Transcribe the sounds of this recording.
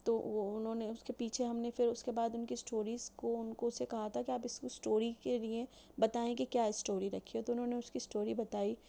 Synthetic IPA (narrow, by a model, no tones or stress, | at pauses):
t̪oːʊnɦõːneʊskepiːt͡ʃʰeɦɐmnefɪɾʊskebaːd̪ʊnkisʈoːɾiːz̥koʊnkõsekɐɦat̪ʰakiaːpɪskosʈoːɾikelie | bɐt̪aːẽkikjaːɪsʈoːɾiɾɐkʰiɦot̪oʊnɦõːneʊskisʈoːɾibɐt̪aːi